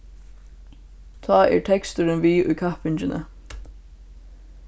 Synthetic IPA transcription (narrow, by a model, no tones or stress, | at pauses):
t̪ʰɑːɛ̰ɹʈʰɛkst̪ʊɾɪnʋiːʔʊjkʰahpɪnt͡ʃɪnʔə̰